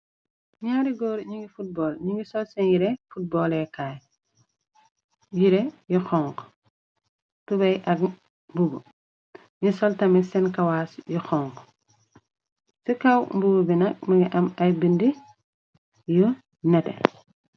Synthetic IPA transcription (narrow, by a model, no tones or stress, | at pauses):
ɲaːɾiɡɔːɾɲiŋɡifut̚bɔːlɲiŋɡisɔlsɛnjiɾɛfut̚bɔːlɛkaːj | jiɾɛjuxɔŋk | tubɐjʔɐk̚ | mbuɡu | ɲisɔltɐmisɛnkɐwaːsjuxɔːŋk | sikɐwmbuɡubinɐk̚mɐɡiʔɐmɐjbindi | ju | nɛtɛ̰